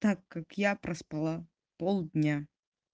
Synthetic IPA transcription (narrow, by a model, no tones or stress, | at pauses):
t̪akːakjapɾəspalˠa | polˠd̪ʲnʲa